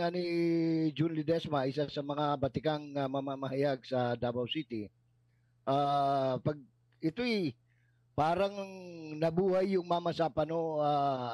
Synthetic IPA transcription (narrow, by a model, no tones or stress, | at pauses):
anɪd͡ʒʊnlɪd̪ɛsmɐʔɪsasɐmɐŋabɐt̪ɪkaŋːɐmamamɐhɐjaɡ̚sɐd̪aːbɐwsiːt̪ɪ | ʔaːpɐɡ̚ | ɪt̪o̞ɛj | paːɾɐŋŋnɐbuːhajːʊŋmamɐsapɐnoa